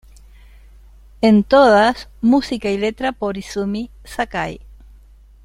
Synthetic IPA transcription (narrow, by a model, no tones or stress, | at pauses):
ent̪oðasmusikailet̪ɾapoɾisumi | sakaj